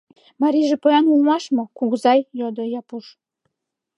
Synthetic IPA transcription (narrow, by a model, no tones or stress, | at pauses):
mɑɾiʒĕpojɑnulˠmɑʃmŏkuɣzɑjjod̪ŏjɑpuʃ